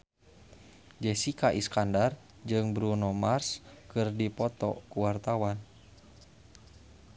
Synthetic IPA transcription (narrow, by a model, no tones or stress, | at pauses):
d͡ʒɛsikaʔiskandar | d͡ʒɨŋbɾunɔmarskɨrdipɔt̪ɔ̰kuwart̪awan